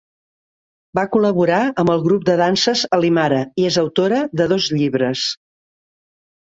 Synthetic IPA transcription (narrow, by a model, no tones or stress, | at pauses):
bakuləβuɾaəmbəlˠɣɾup̚d̪əðansəzəlimaɾəiezəwt̪oɾəðəðɔzʎiβɾəs